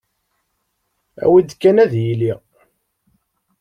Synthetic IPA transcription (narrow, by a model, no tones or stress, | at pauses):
æ̰wid̪kːænæðjili